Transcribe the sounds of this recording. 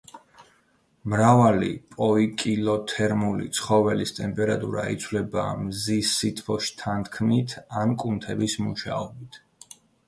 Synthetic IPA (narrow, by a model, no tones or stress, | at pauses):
mɾavalḭpʼɔikʼilˠɔt̪ʰɛɾmulḭt̪sʰχɔvɛlist̪ʼɛmpʼɛɾat̪ʼṵɾa̰it̪sʰvlɛba̰mzisːit̪ʼvɔʃt̪ʰant̪ʰkʰmit̪ʰankʼunt̪ʰɛbismuʃa̰ɔbit̪ʰ